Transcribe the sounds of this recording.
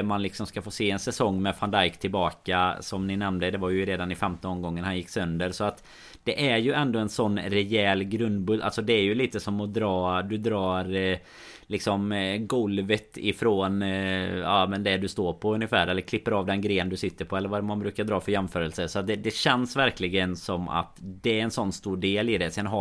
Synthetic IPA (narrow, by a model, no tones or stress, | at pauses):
manlɪksɔmskafoːseːɛnsɛsɔŋːmɛfand̪ajkt̪ʰɪlbɑːkasɔmnɪnɛmnd̪əd̪ɛvaɾjɵɾeːd̪anɪfɛmt̪ɔnɔmɡɔŋːənhanjɪkːsœnd̪əɾsɔat̪ | d̪̥ɛʔæɾjɵɛnd̪ɔɛnsɔnːɾɛjɛːlɡɾɵnd̪bɵd̪ːa̰lsɔd̪ɛːɾjɵliːt̪əsɔmɔd̪ɾɑːd̪ɵd̪ɾɑːɾ | lɪksɔmɡɔlvət̪ɪfɾoːn | a̰mɛnd̪ɛd̪ɵst̪oːɾpʰɔɵnːɪfæːɾɛlːəɾkʰlɪpːəɾɑːvd̪ɛnɡɾeːnd̪ɵsɪt̪ːəɾpʰɔɛlːəɾvaɛɾmanbɾʉ̟ːkaɾd̪ɾɑːfœɾjɛmfœːɾəlsəsɔat̪̚d̪ɛd̪ɛɕɛnsvæɾklɪɡənsɔmːa̰t̪d̪ɛɛnsɔnːst̪uːɖeːlɪd̪ɛsɛnɦ